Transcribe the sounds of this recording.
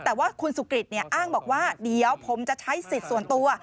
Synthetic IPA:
t̪ɛː˨˩waː˥˩kʰu˧nsuː˨˩˦kɾi˨˩t̪̚ni˥˩ʔaː˥˩ŋbɔː˨˩k̚waː˥˩di˨˩əwpʰo˩˦mt͡ɕa˨˩t͡ɕʰa˦˥jsi˨˩t̪̚su˨˩ənt̪u˧ɐ

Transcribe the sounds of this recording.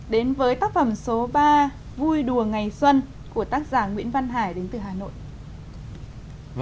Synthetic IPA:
ɗe˨˦nvəː˨˦jt̪aː˦˥k̚fə˧˩mso˨˦ɓaː˧ | vu˧jɗu˨˩əŋa˨˩jswə˧n | ku˧˩ət̪aː˦˥k̚zaː˧˩ŋwḭ˧˥ənva˧nɦaː˧˩jɗe˨˦nt̪ɨ˨˩ɦaː˨˩no̰˧˨j

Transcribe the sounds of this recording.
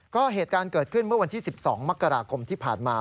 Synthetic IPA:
kɔː˥˩ɦeː˨˩t̪̚kaː˧nkɤː˨˩t̪̚kʰɯ˥˩nmɯ˥˩ɐwa˧nt̪ʰiː˥˩si˨˩p̚sɔ̰ː˩˦ŋma˦˥kːa˧ɾaː˧kʰo˧mt̪ʰiː˥˩pʰa̰ː˨˩nmaː˧

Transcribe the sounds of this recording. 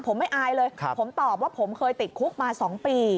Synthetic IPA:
pʰo˩˦mːa˥˩jʔaː˧jlɤː˧jpʰo˩˦mt̪ɔː˨˩p̚waː˥˩pʰo˩˦mkʰɤː˧jt̪i˨˩t̪̚kʰu˦˥k̚maː˧sɔː˩˦ŋpiː˧

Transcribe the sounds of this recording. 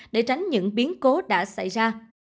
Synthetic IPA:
ɗe˧˩t͡ɕa˨˦jŋ̟ɲɨ̰˧˥ŋɓi˨˦ənko˨˦ɗa̰ː˧˥sa˧˩jzaː˧

